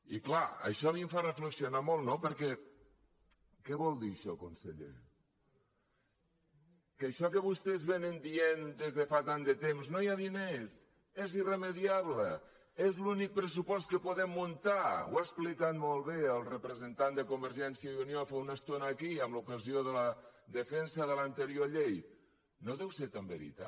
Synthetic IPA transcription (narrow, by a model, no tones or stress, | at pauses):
ḭklaə̰ʃɔβimfarəfləksionamolˠt̪nopəɾkɛ | kɛβɔlˠd̪iʃɔkunseʎḛ | kəʃɔkəβ̞ust̪ezβenənd̪iend̪ezðəfat̪and̪ət̪emznojaðines | eziremeðiaβlə | ezlunik̚pɾəs̬upɔst̪kəpoðɛmːunt̪aw̰asplikat̪molˠβeəlˠrəpɾəzənt̪and̪əkumbəɾʒɛnsijəiuniofeunəst̪onəːkiəmlukəzioðələðəfɛnsəðələnt̪əɾioʎej | noðɛwseɾt̪ambəɾḭt̪a̰